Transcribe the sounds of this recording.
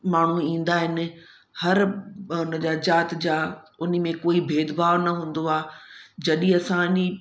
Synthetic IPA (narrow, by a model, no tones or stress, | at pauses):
maːɳ̤ũĩːn̆d̪aːɦɪnɪ̆ | hɐɾʊnə̆d͡ʑaːd͡ʑaːt̪d͡ʑaːʊn̤ə̆mẽkoːibʱeːd̪baːʋnɐɦũːn̆d̪oaːd͡ʑɐɗĩɐsãni